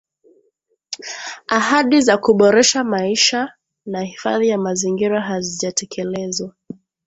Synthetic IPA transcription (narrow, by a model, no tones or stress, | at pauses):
aɦaɗizakuɓɔɾɛʃamaiʃa | nahifa̰ðijamaziŋɡiɾaɦaziʄatʰɛkʰɛlɛzwa